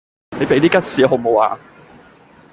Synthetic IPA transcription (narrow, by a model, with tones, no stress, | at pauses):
ne˨˧jpe˨˥jt̪iː˥kɐ˥t̚siː˨˧˥ɦo˨˥mo˨˧wa̰ː˨˧